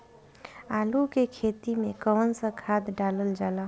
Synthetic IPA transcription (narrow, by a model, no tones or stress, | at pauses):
aːlukekʰeːt̪imẽkəːnsə̃kʰaːd̪ɖaːləld͡ʒaːlaː